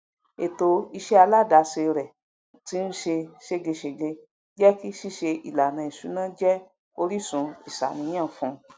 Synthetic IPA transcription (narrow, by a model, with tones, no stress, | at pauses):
e˨to˧i˧ʃɛ˦a˧la˦˨da˨˧se˧ɾɛ˨ | ti˦n̩˦ʃe˧ʃe˧ɡe˧ʃe˨ɡe˧ | d͡ʒɛ˦ki˦ʃi˦˨ʃe˧i˨la˨nã˨˧i˨su˨˦nã˦d͡ʒɛ˦ | o˧ɾi˦sũ˨˧i˨sa̰˨nĩ˧˦j̃ã˦˨fũ˧